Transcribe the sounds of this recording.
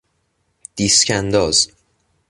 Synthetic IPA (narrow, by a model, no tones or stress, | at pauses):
d̪̥iːscʰænd̪ɒːz